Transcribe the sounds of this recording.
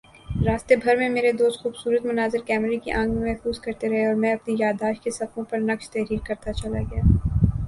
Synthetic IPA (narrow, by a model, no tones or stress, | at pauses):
ɾaːst̪ebʱɐɾmẽmeːɾed̪oːst̪xuːbsuːɾət̪mʊnaːzɪɾkɛːmɾikḭʔãːŋɡemɛɦfuːzkɐɾt̪eɾɐɦeɔːɾmɛ̃ɐpnijaːd̪aːʃkesɐfõpɐɾnɐkʃt̪ɛɦɾiːɾkɐɾt̪at͡ʃɐlaɡɐjaː